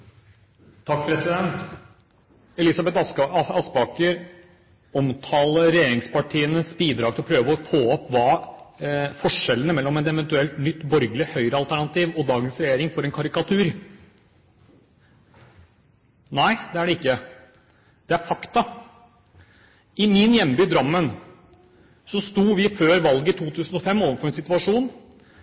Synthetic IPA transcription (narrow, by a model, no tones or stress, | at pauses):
t̪ʰɑkːpʰɾɛsɪd̪ɛnt̪ | ɛlɪsɑbɛt̪ɑsbɑːkəɾ | ɔmt̪ʰɑːləɾɛjeːɾɪŋspɑʈʰiːənəsbiːd̪ɾɑːɡ̚t̪ɪlɔpʰɾøːʋəɔfoːɔpːʋɑː | fɔʂɛlːənəmɛlːɔmɛnɛʋɛnt̪ʉɛlt̪nʏt̪ːbɔɾɡəlɪhœʏɾəɑlt̪æɳɑt̪iːʋɔd̪ɑːɡənsɾɛjeːɾɪŋfɔɾɛnkʰɑɾɪkɑt̪ʰʉːɾ | næɪd̪ɛæɖɛɪkːə | d̪̥ɛæɾfɑkt̪ɑ | ɪmɪnjɛmbyːd̪ɾɑmːən | sɔst̪uːʋɪføːɾʋɑlɡəɪt̪ʰuːt̪ʰʉːsən̩ɔfɛmːoːʋənfɔɾɛnsɪt̪ʉɑʂuːn